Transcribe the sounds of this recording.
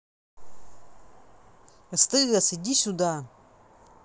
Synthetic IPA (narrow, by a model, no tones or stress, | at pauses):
st̪ɨɡasid̪ʲisʲud̪a